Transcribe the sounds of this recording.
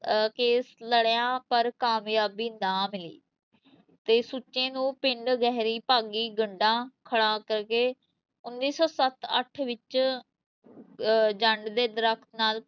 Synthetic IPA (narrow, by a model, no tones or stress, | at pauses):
keːsləɽjãːpəɾkaːmjaːbiːnãːmɪlḭː | t̪eːsut͡ʃːẽːnũːpɪɳɖɡɛɦɾiːpaːɡiːɡəɳɖãːkʰəɽaːkəɾkeː | ʊnːiːsɔːsət̪ə̰ʈʰʋɪt͡ʃ | d͡ʒəɳɖd̪eːd̪əɾəkʰt̪naːl